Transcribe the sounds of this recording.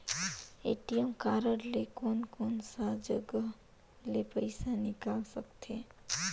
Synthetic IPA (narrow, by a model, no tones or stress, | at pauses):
ḛʈijəmkaːɾəɽlekoːnkoːnsad͡ʒəɡə | lepəɪsanɪkaːlsəkt̪ʰe